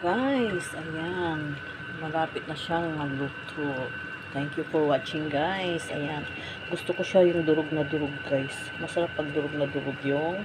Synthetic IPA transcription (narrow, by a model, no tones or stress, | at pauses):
ɡajsʔɐjan | mɐɾaːpɪt̪̚nɐʃaŋːɐluːt̪ʰoʔ | t̪ɛŋkjʊfowat͡ʃɪŋɡajsʔɐ̰jan | ɡʊst̪okoʃajʊŋd̪ʊɾoɡ̚nɐd̪ʊɾoɡ̚ɡajs | mɐsɐɾapːɐɡ̚d̪ʊɾoɡ̚nɐd̪ʊɾoɡjoŋ